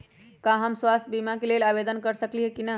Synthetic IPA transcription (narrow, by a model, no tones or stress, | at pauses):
kaɦəmswast̪ʰbimakelelabed̪ənkəɾsəkliɦekinə